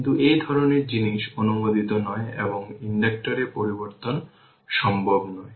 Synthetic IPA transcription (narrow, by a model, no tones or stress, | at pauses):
nt̪uʔejd̪ʱɔɾoneɾd͡ʑiniʃonumod̪ʱit̪onɔeeboŋiɳɖek̚ʈoɾepoɾiboɾt̪on | ʃɔmbʱobnɔe